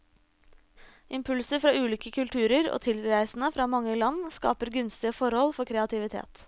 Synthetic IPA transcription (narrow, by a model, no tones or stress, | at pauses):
ʔɪmpʰʉlsəɾfɾɑːʉːliːkəkʰʉlt̪ʰʉːɾəɾo̰ːt̪ʰɪlɾæɪsn̩əfɾɑːmɑŋːəlɑnskɑ̰ːpəɾɡʉnst̪ɪəfɔɾhɔlfɔɾkʰɾɛɑt̪ʰɪʋɪt̪ʰḛːt̪